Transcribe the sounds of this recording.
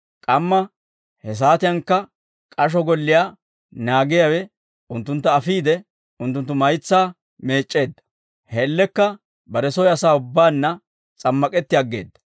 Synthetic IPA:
kʼɐmːɐ | hɛs̬aːt̪ɪjɐŋkːɐ | kʼɐʃ̬ɔɡɔlːɪjaː | naːɡɪjawɛ | ʊnt̪ːʊnt̪ːɐːfiːd̪ɛ | ʊnt̪ːʊnt̪ːʊmɐjt͡sːaː | me̞ːt͡ʃʼːe̞ːd̪ːɐ̥ | hɛlːɛkːɐ | bɐɾɛsɔjɐsaːʊbːaːnːɐ | t͡sʼɐmːɐkʼɛt̪ːɪjɐɡːe̞ːd̪ːɐ̥

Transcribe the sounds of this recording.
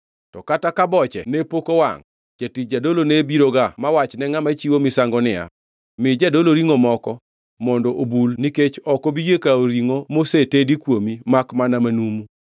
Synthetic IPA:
tɔkatakabɔt͡ʃɛ̰nepokowa̰ŋ | d͡ʒatid͡ʒadolonebiɾoɡamawat͡ʃnɛŋamat͡ʃiwomɪsaŋɡɔnɪa̰ | mɪd͡ʒadoloɾiŋomɔkɔ | mɔndɔʔobulniket͡ʃɔkobiɡekaoɾiŋomosetedikwomimakmanamanumu

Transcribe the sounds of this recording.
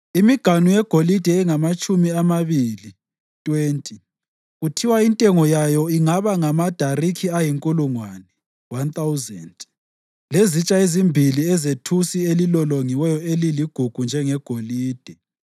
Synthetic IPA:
imiɡ̥ʱanujɛɡ̥ʱolid̥ʱɛːŋamat͡ʃʼumiamaβiːli | tʼweːntʼi | ɣutʰiwaintʼɛŋɔjajɔiŋaβaŋamad̥ʱarikʰiajiŋkʼuluŋwanɛ | want̪ʼawuzɛnd | lezit͡ʃʼaezimbʱiliɛzetʰusielilɔloŋiwɛjɔeliliɡ̥ʱuɡ̥ʱund͡ʒʱɛŋɛɡ̥ʱoliːd̥ʱɛ

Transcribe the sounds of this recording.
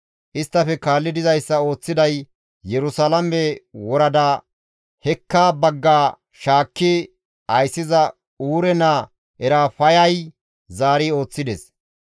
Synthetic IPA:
ʔɪst̪ːɐfɛkaːlːɪd̪ɪzɐjsːɐo̞ːt͡sːɪd̪ɐj | jɛɾʊsalɐmɛwɔɾɐd̪a | hɛkːaːbɐɡːaː | ʃaːkːɪ | ɐjsːɪzɐ | uːɾɛna | ɛɾaːfɐjɐj | zaːɾio̞ːt͡sːɪd̪ɛs

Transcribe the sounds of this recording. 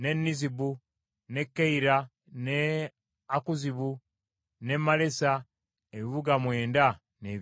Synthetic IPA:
ne̞nːizibu | ne̞kːeiɾa | ne | akuziβu | ne̞male̞sa | eβiβuɡamwe̞ːnda | neː

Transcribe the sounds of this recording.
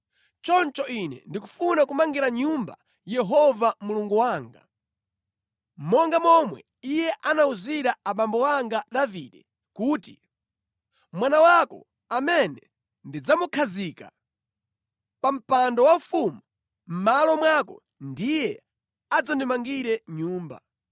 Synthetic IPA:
t͡ʃɔnt͡ʃɔinɛ̰ndiku̥funakumaŋɡiɾaɲumba̰ | jɛɦɔvamuluŋɡuwaːŋɡa̰ | mɔŋɡamɔmwɛ̰ | ijɛʔanauziɾaaɓambɔwaŋɡaɗaviɗɛ | kuːti | mwanawakɔ̰ | amɛnɛ | ndid͡zamukʰazika̰ | pam̩pandɔwaufumu | m̩malɔmwakɔ̰ | ndijɛ | ad͡zɔndimaŋɡiɾɛɲuːmba̰

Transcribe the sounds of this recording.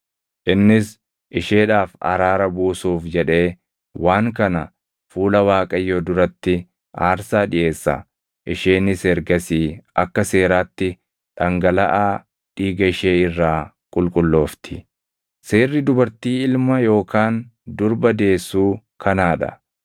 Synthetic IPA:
ʔɪnːɪs | ʔɪʃe̞ːᶑaːfɐ̰ɾaːɾɐbuːsuːfd͡ʒɛᶑe̞ː | waːŋkɐnɐ | fuːlɐwaːkʼɐjːoːd̪ʊɾɐt̪ːɪ | aːɾsaːᶑɪʔe̞ːsːɐ̰ | ʔɪʃeːnɪsɛɾɡɐsiːʔɐkːɐse̞ːɾaːt̪ːɪ | ᶑɐŋɡɐlɐʔaː | ᶑiːɡɐɪʃeːɪrːaː | kʼʊlkʼʊlːo̞ːft̪ʰɪ̥ | seːrːɪd̪ʊbɐɾt̪iːɪlmɐjo̞ːkaːnd̪ʊɾbɐd̪e̞ːsːuː | kʰɐnaːᶑɐ̰

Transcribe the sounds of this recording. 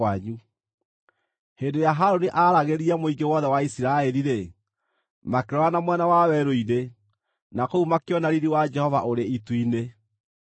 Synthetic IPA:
aɲu | heːndoɾejaɦaɾoniʔaɾaɣeɾiamoiɡewɔðɛwaisiɾaɛɾiɾe | makeɾɔanamwɛnawawɛɾoiðe | nakoumakeɔnaɾiɾiwad͡ʒɛhɔvaʔoɾeitwine

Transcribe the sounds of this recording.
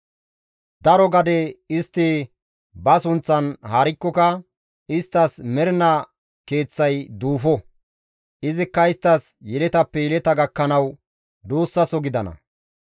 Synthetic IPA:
d̪ɐɾɔɡɐd̪ɛɪst̪ːɪ | bɐsʊnt͡sːɐnhaːɾɪkːɔkɐ | ɪst̪ːɐsmɛɾɪnɐ | ke̞ːt͡sːɐjd̪uːfɔ | ʔɪzɪkːɐɪst̪ːɐs | jɛlɛt̪ɐpːɛjɛlɛt̪ɐɡɐkːɐnɐw | d̪uːsːɐsɔɡɪd̪ɐnɐ̰

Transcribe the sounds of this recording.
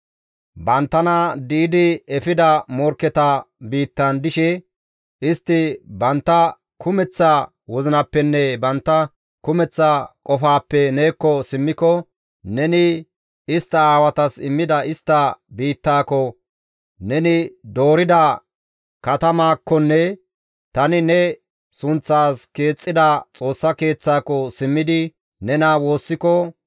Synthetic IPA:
bɐnt̪ːɐnɐd̪iːd̪ɪɛfɪd̪ɐmɔɾkːɛt̪ɐbiːt̪ːɐnd̪ɪʃɛ | ɪst̪ːɪbɐnt̪ːɐ | kʰʊmɛt͡sːɐ | wɔzɪnɐpːɛnːɛbɐnt̪ːɐ | kʊmɛt͡sːɐkʼɔfaːpːɛne̞ːkːɔsɪmːɪkɔ | nɛnɪ | ɪst̪ːɐaːwɐt̪ɐsɪmːɪd̪ɐɪst̪ːɐbiːt̪ːaːkɔ | nɛnɪd̪o̞ːɾɪd̪ɐ | kɐt̪ɐmaːkːɔnːɛ | t̪ɐnɪnɛ | sʊnt͡sːaːske̞ːt͡sʼːɪd̪ɐt͡sʼo̞ːsːɐke̞ːt͡sːaːkɔsɪmːɪd̪ɪ | nɛnaːwo̞ːsːɪkɔ

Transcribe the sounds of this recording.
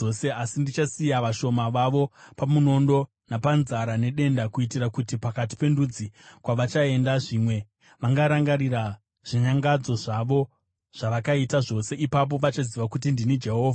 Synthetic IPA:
oseasindit͡ʃasijaʋaʃo̞maʋaʋo̞pamuno̞ndo̞ | napanzaɾane̞ɗe̞ndakuitirakutipakati̥pe̞ndud͡zikwaʋat͡ʃae̞ndaʐiːmwe̞ | ʋaŋɡaɾaŋɡaɾira | ʐ̥iɲaŋɡad͡zo̞ʐaʋo̞ | ʐ̥aʋakaitaʐo̞se̞ʔipap̬o̞ʋat͡ʃaziʋakut̬indinid͡ʒe̞ɦo̞ːvʱa

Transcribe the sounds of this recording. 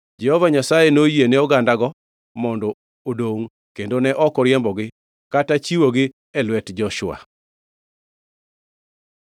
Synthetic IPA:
d͡ʒɛhɔvaɲasajenojeneɔɡandaɡɔ | mɔndɔ | odoŋ | kendonɛʔɔkɔɾjɛmbɔɡɪ | katat͡ʃiwoɡɪ | ɛlwɛtd͡ʒɔʃʊa̰

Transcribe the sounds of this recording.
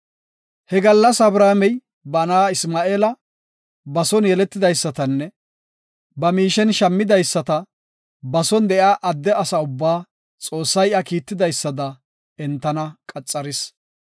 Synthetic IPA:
hɛɡɐlːɐsɐbɾaːmɛj | bɐnaːɪsmaːʔeːlɐ | bɐsɔnjɛlɛt̪ːɪd̪ɐjsːɐt̪ɐnːɛ | bɐmiːʃɛnʃɐmːɪd̪ɐjsːɐt̪ɐ | bɐsɔnd̪ɛjaːʔɐd̪ːɛɐsɐʊbːaː | t͡sʼo̞ːsːɐjʔakiːt̪ːɪd̪ɐjsːɐd̪ɐ | ɛnt̪ːɐnɐkʼɐt͡sʼːɐɾɪs

